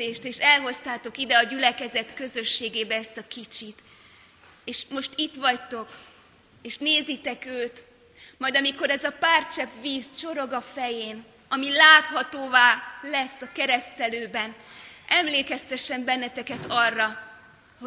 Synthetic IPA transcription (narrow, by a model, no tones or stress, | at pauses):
eːʃt̪eːʃɛlɦo̞st̪aːt̪o̞kid̪ɛɒɟylɛkɛzɛt̪kø̞zø̞ʃːeːɡeːbɛɛst̪ɒkit͡ʃit̪ | eːʃmo̞ʃt̪it̪ʋɒct̪o̞k | eːʃneːzit̪ɛkøːt̪ | mɒjd̪ɒmiko̞ɾɛzɒpaːrt͡ʃɛpʋiːzt͡ʃo̞ɾo̞ɡɒfɛjeːn | ɒmilaːt̪ɦɒt̪oːvaːlɛsːɒkɛɾɛst̪ɛløːbɛnʔɛmleːkɛst̪ɛʃːɛmbɛnːɛt̪ɛkɛt̪ɒrːɒ | ho